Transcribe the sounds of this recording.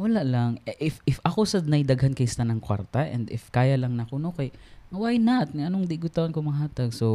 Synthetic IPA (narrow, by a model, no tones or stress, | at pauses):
wɐlaʔlɐŋʔɪfɪfʔɐkosɐnɐjd̪ɐɡhankɐjst̪anɐŋkwa̰ɾt̪ɐʔɛ̰nd̪ɪfkaːjɐlɐŋnɐkonokɐjɐwajnaʔt̪̚nʔɐnoŋd̪ɪɡʊt̪awankomɐɦaːt̪ɐɡ̚so